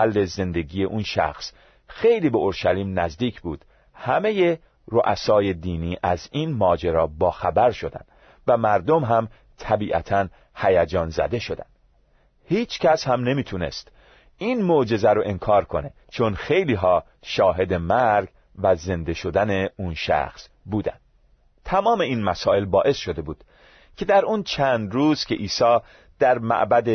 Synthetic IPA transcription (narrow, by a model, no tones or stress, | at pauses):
ælːe̞ze̞nd̪e̞ɡije̞ʔunʃæ̰xs | xe̞jliːbeoɾʃæliːmnæzd̪iːcʰbuːd̪̥ | hæme̞je̞ | ɾoʔæsɒːje̞d̪iːniːʔæzinmɒːd͡ʒeɾɒːbɒːxæbæɾʃo̞d̪æ̰nd̪ | væmæɾd̪o̞mɦæm | t̪ʰæbiːʔæ̰t̪ʰæn | hæjæd͡ʒɒːnzæ̰d̪e̞ʃo̞d̪æ̰nd̪̥ | hiːt͡ʃcʰæshæmne̞miːt̪ʰune̞̰st̪ | iːnmoʔd͡ʒe̞zæɾoʔenkʰɒːɾkʰo̞ne̞ | t͡ʃʰo̞nxe̞jliːɦɒː | ʃɒːɦe̞d̪e̞mæɾɡ | væze̞nd̪e̞ʃo̞d̪æne̞unʃæ̰xs | buːd̪æ̰nd̥̪ | t̪ʰæmɒːme̞iːnmæsɒːe̞lbɒːʔe̞sʃo̞d̪e̞buːd̪̥ | cʰe̞d̪æɾunt͡ʃʰænd̪ɾuːz̥cʰʲe̞ʔiːsɒː | d̪̥æɾmæ̰ʔbæd̪e